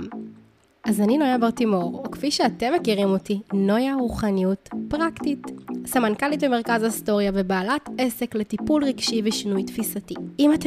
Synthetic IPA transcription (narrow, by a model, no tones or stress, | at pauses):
m | azaninojabaʁt̪imooʁokfiʃeate̞mːekiʁimo̞tino̞jaʁuχanijutpʁaktitsamankalitbeme̞ʁ̞kazaisto̞ʁjavebaːlatese̞kletipulʁiɡʃiveʃinujtfisatiimat